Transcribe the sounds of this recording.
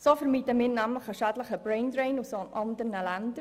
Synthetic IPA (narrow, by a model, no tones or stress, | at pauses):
soːfəɾmitəmɪːɾnæmləχəʃæːdləχəb̥ɾɛndɾeɪnusonʔɑndəɾnəlændə